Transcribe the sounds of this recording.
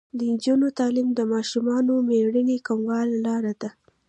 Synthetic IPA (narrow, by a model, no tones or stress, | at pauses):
d̪ənd͡ʒunot̪ɑlimd̪əmɑʃumɑnomeɽənekaŋɡɑllɑɾad̪a